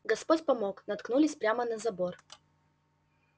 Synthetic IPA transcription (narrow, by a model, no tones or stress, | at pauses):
ɡɐspotʲpɐmoknɐt̪knulʲɪsʲpɾʲamənɐzɐbor